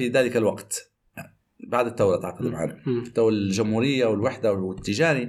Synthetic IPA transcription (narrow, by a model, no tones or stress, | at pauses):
fiðaːlɪkalwaqt̪ | baʕd̪ɪt̪ːawɾˤɑt̪ʕqɑd̪ɪmʕa̰nt̪ːawɾd͡ʒʊmhuːɾɪjːawɪlwɪħd̪awɪt̪ːɪd͡ʒaːɾi